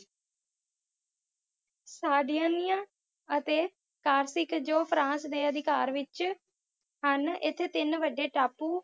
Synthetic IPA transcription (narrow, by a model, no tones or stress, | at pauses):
saːɖijãːnɪjãː | ət̪eː | kaːɾsɪkd͡ʒoːpʰɾãːsd̪eːəd̪ʱɪkaːɾʋɪt͡ʃ | ɦənɪt̪ʰːet̪ɪnʋəɖeːʈaːpuː